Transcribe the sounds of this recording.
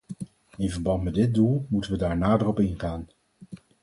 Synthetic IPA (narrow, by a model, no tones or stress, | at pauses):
ɪnvəɹbɑntmɛdɪt̚dulˠmutənʋədaːɹnaːdərɔpɪnχaːn